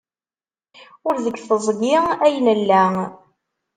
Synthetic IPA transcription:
ʊɾðəɡθəzˤɡɪæjnəlːæ

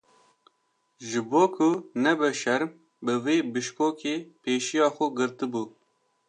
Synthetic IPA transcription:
ʒɨboːkʰʊnɛbɛʃɛɾm | bɨveːbɨʃkoːkʰeːpʰeːʃijɑːxʊɡɨɾt̪ɨbuː

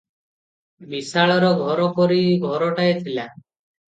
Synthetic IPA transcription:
bisaɭɔɾɔɡʱɔɾɔkɔɾiɡʱɔɾɔʈaet̪ʰila

